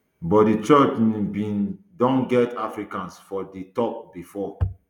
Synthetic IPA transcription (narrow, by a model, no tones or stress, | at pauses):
bɔt̚dit͡ʃɔt͡ʃnbĩn | dɔ̃nɡɛtafɹikãnsfɔditɔp̚bifɔ